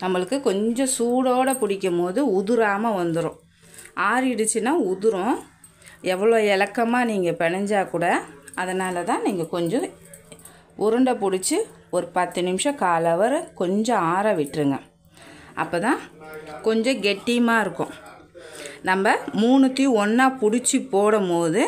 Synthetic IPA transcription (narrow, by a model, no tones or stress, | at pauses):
nɐmːɐɭɯkːɯkɔɲd͡ʒɔ̃suːɽoːɽɐpʊɽɪkʲːɐmoːðɯʊðʊɾaːmɐʋɐnd̪ɯɾõ̰ː | ʔaːɾɪɽɯt͡ʃːɯnːaːʊðʊɾʊ̃ | ɛʋːɐɭoːɛlɐkːɐmaːniːŋɡɐpɛɳɐɲd͡ʒaːkuːɽɐɐðɐnaːlɐt̪ãːniːŋɡɐkɔɲd͡ʒɔ̃ | ʊɾɐɳɖɐpʊɽɪt͡ʃːɯ | ɔɾɯpɐt̪ːɯnɪmʂɐ̃kaːlɐʋɐɾkɔɲd͡ʒɔ̃aːɾaːʋɪʈːɾɯŋɡɐ | ʔɐ̰pːoːt̪ãːkɔɲd͡ʒɔ̃ɡɛʈːɪjmaːɪɾɯkːʊ̃ | nɐmbɐmuːɳɯt̪ːiɔnːaːpʊɽɪt͡ʃːɯpoːɽɐmpoːðɯ